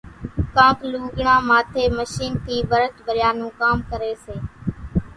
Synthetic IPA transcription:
kãːpluːɡɳãːmaːt̪ʰeːməʃiːnt̪ʰiːʋəɾət̪bəɾɪjaːnũːkaːmkəɾeːseː

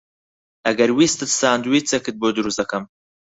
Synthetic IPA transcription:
ʔɐɡɐɾwiːst̪ɨt̪saːnd̪wiːt͡sekɨt̪̚boːd̪ɨɾusd̪ɐkɐm

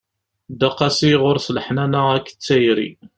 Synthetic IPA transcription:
d̪ɑqːɑsijʁʊɾsləħnænəækːə̥t͡sːæjɾḭ

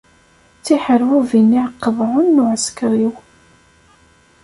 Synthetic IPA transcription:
t͡sːiħəɾwuvinːiʕəqːəvʕʊnːʊʕəskɾˤiw

